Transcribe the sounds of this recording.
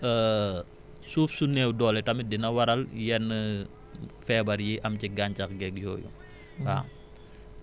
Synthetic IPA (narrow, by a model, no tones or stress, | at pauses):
ə | suːpsunɛːwdɔːlɛtɐmidinɐwɐɾɐljɛnːə | fɛːbɐɾjiʔɐmciɡaːɲcɐxɡɛk̚jɔːjṵ | am